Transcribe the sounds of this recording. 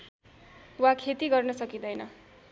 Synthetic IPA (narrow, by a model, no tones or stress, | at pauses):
wakʰet̪iɡʌrnʌsʌkid̪ʌjnʌ